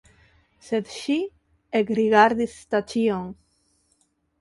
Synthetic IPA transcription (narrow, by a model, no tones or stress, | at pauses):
sed̪ʃi | eɡɾiɣaɾd̪ist̪at͡ʃioŋ